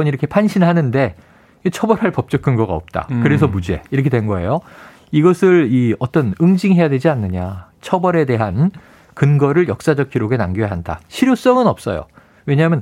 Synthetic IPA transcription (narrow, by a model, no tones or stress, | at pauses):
ʌniɾʌkʰepʰanɕʰinɦanɯnde̞ | et͡ɕʰʌbʌɾɦaɭpʌp̚t͡ɕ͈ʌkʰɯnɡʌɡaʌp̚t͈a̰kɯɾe̞s̬ʰʌmud͡ʑe̞̰iɾʌkʰe̞dwe̞nɡʌe̞̰jo | iɡʌsʰɯɭiʌt͈ʌnɯŋd͡ʑiŋɦe̞jadwe̞d͡ʑianːɯɲat͡ɕʰʌbʌɾe̞de̞ɦan | kɯnɡʌɾɯɭjʌk̚s͈ad͡ʑʌk̚k͈iɾoɡe̞naŋɡojaɦanda̰ɕʰiɾjos͈ʌŋɯnʌp̚s͈ʌ̰jo̰ | we̞ɲamjʌn